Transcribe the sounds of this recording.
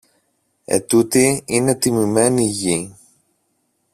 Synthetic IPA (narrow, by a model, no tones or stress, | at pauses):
e̞̰t̪ut̪iine̞t̪imime̞niʝi